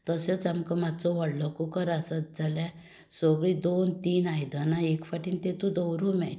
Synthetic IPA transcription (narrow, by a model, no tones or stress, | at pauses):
t̪əset͡samkəmad̪t͡sɔʋaɽlɔkukəɾasət̪̚d͡zalja | soɡɭid̪ont̪iːnajd̪anaekfaʈiːnt̪ẽt̪ũd̪ɔwɾumɛ